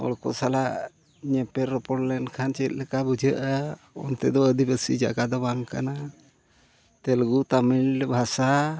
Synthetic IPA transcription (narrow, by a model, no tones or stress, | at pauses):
ɔ̰lɔkɔ̰salaʔ | ɲɛpɛɾɔpɔɽlɛnkʰant͡ʃɛt̪̚ˀlɛkabud͡ʒʱəʔa | ɔ̰nt̪ɛd̪ɔəd̪ibəsḭd͡ʒa̰ɡad̪ɔbaŋka̰na | t̪ɛlɡut̪amilɛbʱasa